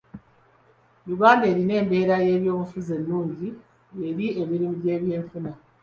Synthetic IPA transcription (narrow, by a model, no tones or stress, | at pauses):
juɡaːnde̞ːɾine̞ːmbe̞ːɾaje̞ːβjo̞ːmufuze̞nːuːɲɟi | eɾiemiɾimuɟe̞ːβje̞ːɱfuna